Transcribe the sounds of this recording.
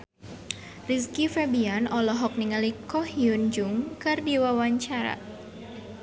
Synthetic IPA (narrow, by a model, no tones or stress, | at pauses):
riskifɛbianɔlɔɦɔk̚niŋalikɔhiund͡ʒuŋkɨrdiwawaɲt͡ʃaɾa̰